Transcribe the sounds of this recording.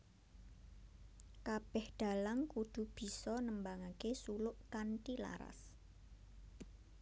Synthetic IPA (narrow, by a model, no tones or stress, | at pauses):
kab̥ɛhɖ̪̥a̤laŋkud̪̥ṳb̥i̤sɔnəmbaŋakesulʊʔkant̪ila̰ɾa̰s